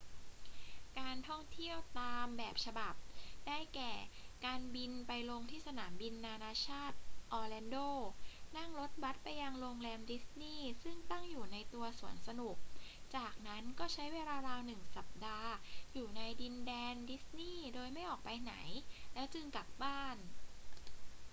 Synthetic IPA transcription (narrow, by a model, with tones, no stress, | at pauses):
kaː˧nt̪ʰɔ˥˩ŋt̪ʰi˥˩əwt̪aː˧mbɛː˨˩p̚t͡ɕʰa˧ba˨˩p̚da˥˩jkɛː˨˩kaː˧nbi˧npa˧jlo˧ŋt̪ʰiː˥˩sa˧naː˩˦mbi˧nːaː˧naː˧t͡ɕʰaː˥˩t̪̚ʔɔː˧lɛː˧ndoː˥˩na˥˩ŋɾo˦˥t̪̚ba˦˥t̪̚pa˧jːa˧ŋlo˧ŋlɛː˧mdi˦˥sniː˥˩sɯ˥˩ŋt̪a˥˩ŋjuː˨˩na˧jt̪u˧ɐsu˨˩˦ənsa˧nu˨˩k̚t͡ɕaː˨˩k̚na˦˥nkɔː˥˩t͡ɕʰa˦˥jweː˧laː˧ɾaː˧nɯ˨˩ŋsa˨˩p̚daː˧juː˨˩na˧jdi˧ndɛː˧ndi˦˥sniː˥˩doː˧jma˥˩jʔɔː˨˩k̚pa˧jna̰˩˦jlɛː˦˥wt͡ɕɯ˧ŋka˨˩p̚baː˥˩n